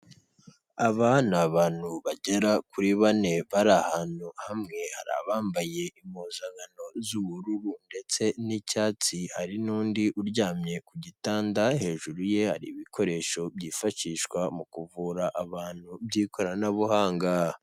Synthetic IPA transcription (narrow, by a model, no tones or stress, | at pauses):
aβanuaβaːn̥huβaɟeɾakuɾiβane̞βaɾahaːnuhamŋe̞ha̰ɾa̰βaːmbaje̞imuːnzaŋɡano̞zuβuɾuɾunde̞t͡se̞nicaːt͡sihaɾinuːndiʔuɾɟaːmɲe̞kuɟitaːndaɦe̞ːʒuɾuje̞ha̰ɾḭβikʰo̞ɾe̞ːʃo̞bjiːfaʃiʃkwamukuvuːɾaʔaβaːnhubjiːkʰoɾanaβuhaːŋɡa